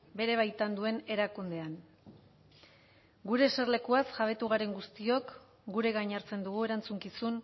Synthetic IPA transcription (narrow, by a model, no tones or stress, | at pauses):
be̞ɾe̞β̞ajt̪and̪ue̞ne̞ɾakund̪e̞an | ɡuɾe̞se̞rle̞kuasʝaβe̞t̪uɣaɾe̞ŋɡust̪io̞k | ɡuɾe̞ɣajɲaɾt͡se̞nd̪uɣ̞ue̞ɾant͡suŋkisun